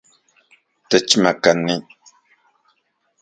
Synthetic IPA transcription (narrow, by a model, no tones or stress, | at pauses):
tət͡ʃmakaniɲ